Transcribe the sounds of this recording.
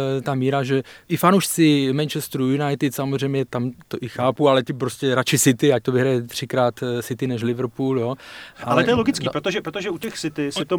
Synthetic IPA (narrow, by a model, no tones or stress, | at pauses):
t̪amiːɾaʒɛʔɪfanowʃt͡sɪmɛnt͡ʃɛst̪ɾujunajt̪ɪt̪samozrɛjmɲɛt̪amt̪oʔɪxaːpualɛc̪ɪpɾoscɛɾat͡ʃɪsɪt̪ɪac̚t̪ovɪɦɾajɛt̪r̥ɪkɾaːt̪sɪt̪ɪnɛʃlɪvrɾpuːljoːʔaalɛt̪ojɛloɡɪt͡skipɾot̪oʒɛpɾot̪oʒɛucɛxsɪt̪ɪsɪt̪o